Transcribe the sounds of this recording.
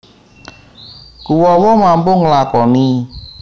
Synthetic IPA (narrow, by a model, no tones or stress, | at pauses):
kuwɔwɔmambʊŋlakɔni